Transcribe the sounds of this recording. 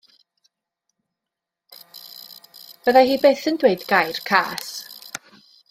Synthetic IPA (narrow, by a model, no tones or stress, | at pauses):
v̥əðaɦiːbeːθəndweɨdɡajrkʰa̰ːs